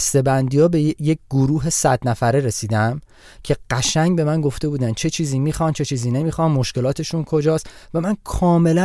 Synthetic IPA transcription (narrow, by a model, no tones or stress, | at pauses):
st̪e̞bænd̪ijɒːbe̞jjec̚ɡ̥oɾuːɦe̞sæd̪næfæɾeɾe̞siːd̪æm | cʰe̞ɢ̥æʃæɲɟbe̞mænɡo̞ft̪e̞buːd̪ænt͡ʃʰe̞t͡ʃʰiːziːmiːxɒnd̪t͡ʃʰet͡ʃʰiːziːne̞miːxɒnmoʃce̞lɒːt̪ʰe̞ʃunkʰo̞d͡ʒɒːsvæmænkʰɒːme̞læ